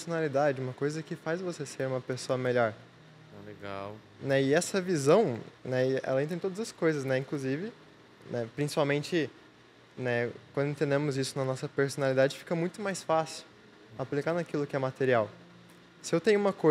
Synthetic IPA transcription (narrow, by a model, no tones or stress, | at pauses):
sonalid̪ad͡ʒɪũmɐkojzɐkɪfajzvoseseɾũmɐpesoɐmeʎɔɾ | ɛleɡa̰w | nɛɪɛsɐvizɐ̃w̃nɛɪɛ̰lɐẽt̪ẽt̪od̪ɐzɐskojzɐsnɛĩkluzivɪ | nɛpɾĩsi̥pawmẽnt͡ʃɪ | nɛkwɐ̃nd̪ʊẽt̪ẽnd̪ẽmʊzisʊnɐnɔsɐpeɾsonalid̪ad͡ʒɪfi̥kɐmũj̃t̪ʊmajsfasɪw | aplikaɾnɐkilʊkɪɛmat̪eɾiaw | sɪewt̪ẽɲ̃ʊũmɐko